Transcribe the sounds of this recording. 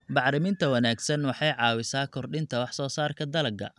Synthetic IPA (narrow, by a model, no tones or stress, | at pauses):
bɑʕɾɪmɪnt̪ʰɐwɐnaːɡsɐnwɑħɑjʕɑːwɪsaːkʰɔrɗɪnt̪ʰɐwɑħsɔːsaːrkʰɐd̪ɐlɐɡɐ̰